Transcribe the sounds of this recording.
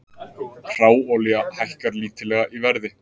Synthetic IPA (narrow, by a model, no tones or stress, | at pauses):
r̥aːwɔliɣahajhkaɾliːt̪ɪlɛːɣaʔivɛɾðɪ